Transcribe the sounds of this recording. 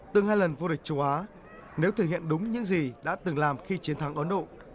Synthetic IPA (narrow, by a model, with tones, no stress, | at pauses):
t̪ɨ˨˩ŋhaː˧jlə˨˩nvu˧ɗï˨˩k̟̚t͡ɕu˨˦wʔaː˨˦ | ne˨˦wt̪ʰəː˨˧˩hḭ˧˨ənɗʊ˨˦ŋ͡mɲɨ̰˧˥ŋzi˨˩ɗa̰ː˧˥t̪ɨ˨˩ŋlaː˨˩mxi˧t͡ɕi˨˦ənt̪ʰa˨˦ŋʔə˨˦nɗo̰˧˨